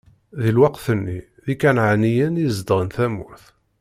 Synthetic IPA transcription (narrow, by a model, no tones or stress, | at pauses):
ðilwɑqθənːi | ðikænʕanijənjəzd̪ʁənθæmuθ